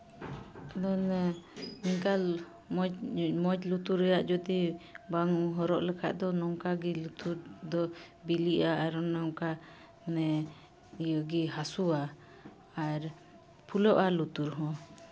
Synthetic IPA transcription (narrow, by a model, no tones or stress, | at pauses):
d̪ɔn | niŋkal | mɔmɔd͡ʒlut̪uɾɛjaʔd͡ʒɔd̪ibaŋuɦɔɾɔʔlɛkʰa̰ʔd̪ɔnɔŋkaɡilut̪uɾd̪ɔbiliʔaʔːɾɔnɔŋka | nɛ | ijɔɡiɦasua | aɾ | pʰulɔʔalut̪uɾɦɔ̃